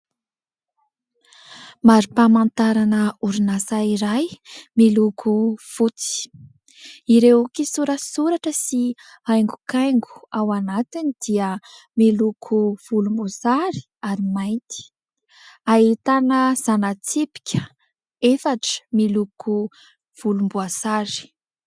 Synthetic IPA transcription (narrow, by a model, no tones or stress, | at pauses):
maɾipamant̪aɾanəuɾinasaiɾajmilukʰuv̥ut͡si̥ | iɾewukisuɾəsuɾaʈ͡ʂəsi | ajŋɡukajŋɡu̥awanat̪inid̪̥iə | milukʰuv̥ulumbusaɾi̥ | aɾimajnt̪i̥ | aɦit̪anəz̥anat͡sipi̥kʲə | efaʈ͡ʂə̥milukʰu | v̥ulumbuasaɾi̥